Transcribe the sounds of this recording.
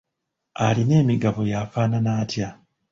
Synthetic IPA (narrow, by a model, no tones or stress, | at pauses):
aline̞ːmiɡaβo̞jafaːnanaːtja